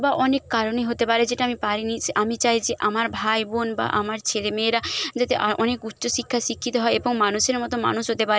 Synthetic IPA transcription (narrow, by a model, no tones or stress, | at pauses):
baʔɔnekːaɾoneɦot̪epaɾed͡ʑeʈaamipaɾiniʔamit͡ɕajd͡ʑeʔamaɾbʱajbonba̰ʔamaɾt͡ɕʰelemeːɾad͡ʑat̪eʔaʔɔnekut̪ːʃoʃikʰːaʃikʰːit̪oɦɔeeboŋmanuʃeɾmɔt̪oma̰nuʃɦot̪epaɾe